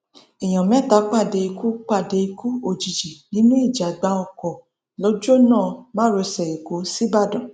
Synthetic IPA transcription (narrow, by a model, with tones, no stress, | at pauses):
ɛ˨j̃ɔ̃˨mɛ̃˨˦˨ta˨˦k͡pa˦˨de˧i˧ku˦k͡pa˦˨de˧i˧ku˦o˨d͡ʒi˨d͡ʒi˨nĩ˨˦nũ˦i˦˨d͡ʒa˨ɡ͡ba˧ɔ˨kɔ˨ | lɔ˨˦d͡ʒo˦˨nãː˦˨ba˦ɾo˧sɛ˨e˨ɡo˨˦si˦ba˦˨dɔ̃˨